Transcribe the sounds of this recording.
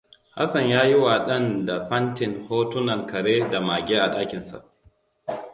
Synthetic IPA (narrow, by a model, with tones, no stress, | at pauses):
ha̰˦sɐ˨ɲjaː˦jɪ˦wa˨ɗɐ˦nda˨ɸɐ˦ntɪ˨ŋhoː˦tʊ˦nɐ˨ŋkɐ˨ɽeː˦da˨maː˨ɡʲeː˦ʔa˨ɗaː˦kʲɪ˨nsa̰˨ʔ